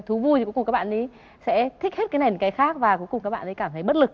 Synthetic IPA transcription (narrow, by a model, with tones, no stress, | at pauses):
t̪ʰu˨˦vu˧jkŋ͡mkaː˦˥ɓa̰ː˧˨nʔɗi˨˦ | sɛ̰˧˥t̪ʰi˦˥k̟̚he˦˥t̚kːa˨˦jna˨˩˨kaː˨˦jxaː˦˥k̚vaː˨˩ku˨˦kʊ˨˩ŋ͡mkaː˦˥k̚ɓa̰ː˧˨nɗi˨˦kaː˧˩t̪ʰə˨˦jɓə˦˥t̚lɨ˨˩k̚